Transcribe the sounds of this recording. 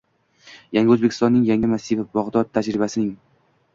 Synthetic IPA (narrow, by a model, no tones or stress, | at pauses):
jaŋɡʲɵzbekʰʲɪ̥st̪ɒnːɪŋjaŋɪmasːivbɒʁd̪ɒd̪̚t̪ʰad͡ʒɾɪbasɪnɪŋ